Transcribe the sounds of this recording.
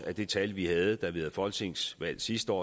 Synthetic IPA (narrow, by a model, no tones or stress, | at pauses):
æd̥e̝t͡sʰælʋihɛð̞̩ˠd̥ɑ̈ʋihæð̩ˠfɒ̽l̰̥t͡sʰe̝ŋ̰sʋæl̰sisd̥əɒ̰ː